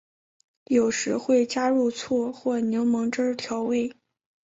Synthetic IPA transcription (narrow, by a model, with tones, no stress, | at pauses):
jo˨˩ʊʂɻ̩˧˥xwe˥˩ɪt͡ɕja˥ɻu˥˧t͡sʰwɔ˥˧xwɔ˥˩njo˧˥ʊmɤ˧˥ŋʈ͡ʂə˥t̪ʰjɑ˧˥ʊwe˥˩ɪ